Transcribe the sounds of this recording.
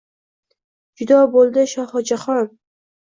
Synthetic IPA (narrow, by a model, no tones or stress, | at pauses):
d͡ʒʊd̪ɒbolˠd̪ɪʃɒhɨd͡ʒaχɒn